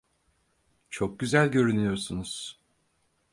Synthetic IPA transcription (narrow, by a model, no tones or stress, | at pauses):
t͡ʃʰo̞k̚ɟyzælʲɟø̞ɾynyjo̞ɾsunuz̥